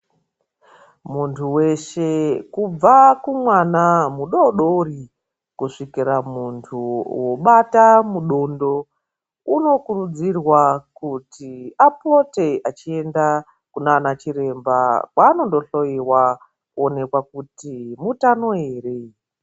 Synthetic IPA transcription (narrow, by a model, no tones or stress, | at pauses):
muntʰuwe̞ʃe̞kub͡vakumwanamuɗoɗori | kuʂikiɾamuntʰuwo̞ɓatamuɗo̞ndo̞ | uno̞kurud͡zirwakutiapote̞ʔat͡ʃie̞nda | kunaːnat͡ʃiɾe̞mbakwaːno̞ndo̞ɬo̞jiwa | kuone̞kwakutimutano̞e̞ːre